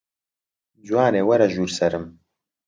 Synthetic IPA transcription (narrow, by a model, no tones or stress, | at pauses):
d͡ʒwaːneːwɐɾɐʒuːɾsɐɾɨm